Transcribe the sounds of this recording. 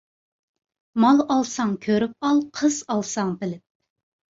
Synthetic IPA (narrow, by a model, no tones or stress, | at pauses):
mɑlˠɑlˠsɑŋkʲʰøɾyp̚ɑlˠqʰəzɑlˠsɑŋbɪlɪp̚